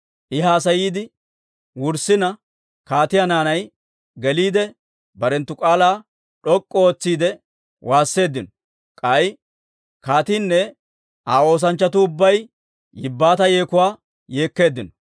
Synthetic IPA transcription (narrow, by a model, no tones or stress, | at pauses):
ʔɪɦaːs̬ɐjiːd̪ɪ | wʊɾsɪnɐ | kaːt̪ɪjanaːnɐj | ɡɛliːd̪ɛ | bɐɾɛnt̪ːʊkʼaːlaː | ᶑɔkʼːɔoːt͡sːiːd̪ɛ | wʔaːsːe̞ːd̪ɪnɔ | kʼɐj | kaːt̪iːnːɛ | ʔaːo̞ːs̬ɐnt͡ʃːɐt̪ʊːbːɐj | jɪbːaːt̪ɐje̞ːkʊwaː | je̞ːkːe̞ːd̪ːɪnɔ̥